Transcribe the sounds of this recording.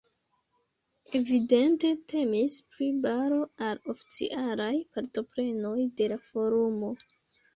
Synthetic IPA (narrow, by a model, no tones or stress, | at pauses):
e̞vide̞nte̞te̞mispɾibaɾo̞alofi̥t͡sḭʔalajpaɾto̞pɾe̞no̞jde̞lafo̞ɾumo̞